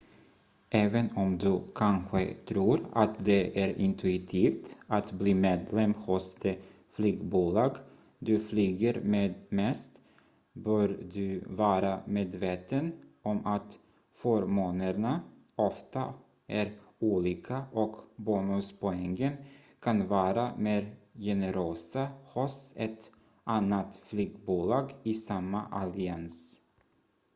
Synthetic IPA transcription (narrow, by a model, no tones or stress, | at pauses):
ʔɛːvənɔmd̪ɵkʰanɧə̰t̪ʰɾuːɾa̰t̪d̪ɛʔæɾɪ̰nt̪ʰɵɪt̪ʰiːft̪at̪bliːmeːd̪lɛmhʊsd̪ɛ | flyːɡbuːlɑːɡ | d̪ɵflyːɡəɾmeːd̪mɛst̪ | bœːɾd̪ɵvɑːɾameːd̪veːt̪ənɔmat̪ | foːɾmoːnəɾɳa | ɔft̪a | ʔæɾuːliːkʰaʔɔkbuːnʉspʰʊɛŋːənkʰanvɑːɾameːɾjɛnəɾøːsahʊsɛt̪ | ʔanːat̪flyːɡbuːlɑːɡɪsamːaʔalɪans